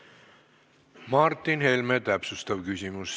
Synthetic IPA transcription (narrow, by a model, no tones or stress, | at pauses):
mɑrt̪ːˑinhe̞lmet̪æpsust̪ɑvkysʲimus